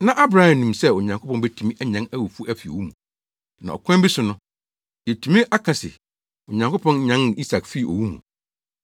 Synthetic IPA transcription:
nã˦ʔa˦bɾa˦hã˨nĩ˨msɛ˦o˨ɲã˨ŋkʰo˦pɔ̃˦n˦bɛ˦tʰu˨mĩ˦ʔæ˦ɲã˦næ˦wu˨fu˦æ˦fi˨o̰˨wu˦mũ˨ | nã˨ɔ̰˨kʰʷɛ̃˦bi˦sʊ˨nʊ̃˦ | jɛ˨tʰu˨mĩ˦ʔa˦kʰã˨sɪ̰˨ | o˨ɲã˨ŋko˦pʰɔ̃˦nɲã˦n˨i˦sa˨kfi˦˨ʔo̰˨wu˦mṵ̃˨

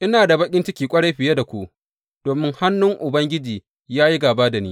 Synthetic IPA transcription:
ʔɪ˦naː˨da˨bɐ˦kʲʼɪ˦nt͡ʃɪ˦kʲiː˨kʷʼɐ˦ɽa˦jɸɪ˨je˦da˨kʷu˦ʔ | d̥oː˨mɪ˦ŋha˦nːʊ˦ŋʔʊ˨bɐ˦ŋɡʲɪ˦d͡ʒiː˨ | jaː˦ji˦ɡaː˨baː˦da˨niː˦

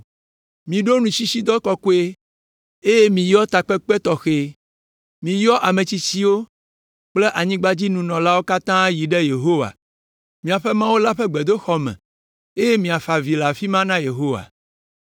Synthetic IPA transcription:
mĩ˨ɖo˦nũ˨si˦si˦d̪ɔ˦kɔ˨ko˦e˦ | e˦je˦mĩ˨jɔ˦t̪a˨k͡pɛ˦k͡pɛ˦t̪ɔ˨xe˨ | mĩ˨jɔ˦ʔa˨mẽ˨t͡ɕi˦t͡ɕi˦wo˦ | k͡ple˦ʔa˨ɲĩ˦ɡ͡ba˦d͡ʑi˦nũ˨nɔ̃˨la˦wo˦ka˦t̪ã˦ji˨ɖɛ˦je˨ɦo˦wa̰˨ | mĩ˨a˨ɸɛ˦mã˦wo˦la˦ɸɛ˦ɡ͡bɛ˨d̪o˦xɔ˦mɛ̰̃˨ | e˦je˦mĩ˨a˨fa˨vi˨la˨fi˦mã˦nã˦je˨ɦo˦wa̰˨

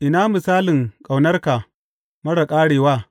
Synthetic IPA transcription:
ʔɪ˨naː˦mɪ˨saː˦lɪ˨ŋkʼa˨wnɐ˦rka˨ | mɐ˦ɽɐ˨kʼaː˦ɽeː˨waː˦

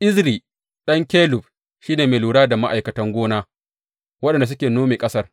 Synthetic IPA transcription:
ʔɪ˦zɾiː˨ | ɗɐ˦ŋkʲɛː˦lʊ˨ɸ | ʃiː˦neː˨meː˨luː˨ɽaː˦da˨ma˦ʔa˨jkɐ˨tɐ˦ŋɡʷoː˦naː˦ | wɐ˦ɗɛ˨nda˨s̬ʊ˦kʲeː˨noː˦meː˨kʼɐ˦sɐ˦r

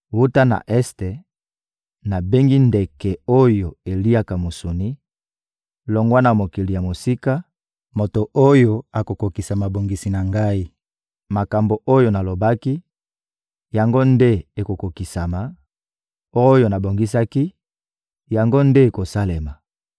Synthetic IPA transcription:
wu˦ta˦na̰˨ʔɛ˦ste˨ | na˨be˦ŋɡi˦nde˨kɛ˨o˦jo˨e˨li˦a˦ka˨mo˨so˨ni˦ | lo˨ŋɡwa˦na˨mo˨ki˨li˨ja˨mo˨si˦ka˦ | mo˨to˨o˦jo˨a˨ko˨ko˨ki˨sa˨ma˨bo˨ŋɡi˨si˨na˨ŋɡa˦i˦ | ma˨ka˨mbo˨ʔo˦jo˨na˨lo˨ba˦ki˦ | ja˨ŋɡo˦nde˦e˨ko˨ko˨ki˨sa˨ma˨ | o˦jo˨na˨bo˨ŋɡi˦sa˦ki˦ | ja˨ŋɡo˦nde˦e˨ko˨sa˦le˨ma˨

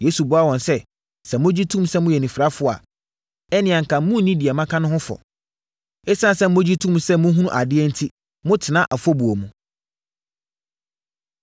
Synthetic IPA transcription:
je˨˦su˨bʊ˨˦a˦wɔ̃˨nsɛ˦ | sɛ̃˨mʊ̃˦d͡ʑi˦tʰũ˦msɛ˦mʊ̃˦jɛ˨nĩ˨fɾa˦fʊ˦˨a̰˨ | ɛ˦nɪ̃˨ã˨ŋ̩˨kʰã˨˦mũ˦nĩ˦di˨ɛ˨mã˦kʰã˦nʊ̃˦hʊ̃˦fɔ̰˨ | ɛ˦sã˦˨sɛ˦mʊ̃˦d͡ʑi˦tʰũ˦˨msɛ˦mʊ̃˦ɦu˦ũ˦ʔa˨dɪ˦ɛ˦n̩˦tʰi˦ | mʊ̃˦tʰɪ˨nã˦ʔa˨fɔ˦bu˨o˨mũ˨

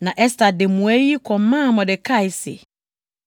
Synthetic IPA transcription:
nã˨ʔɛ˦sta˨de˨mũ˨ɛ˦i˦kʰɔ̃˨˦mã˦˨mɔ̃˨dɪ˨kʰa˦˨ɪ˨sɛ̰˨

